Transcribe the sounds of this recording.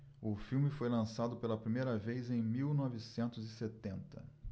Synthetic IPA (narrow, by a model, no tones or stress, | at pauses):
ʊfiwmɪfojlɐ̃sad̪ʊpelɐpɾimejɾɐvejzẽj̃miwnɔvɪsẽnt̪ʊzɪset̪ẽnt̪ɐ